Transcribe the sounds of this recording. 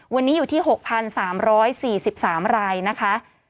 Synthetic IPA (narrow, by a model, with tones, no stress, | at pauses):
wa˧nːiː˦˥juː˨˩t̪ʰiː˥˩ɦo˨˩k̚pʰa˧nsaː˩˦mɾɔː˦˥jsiː˨˩si˨˩p̚saː˩˦mɾaː˧jna˦˥kʰa˦˥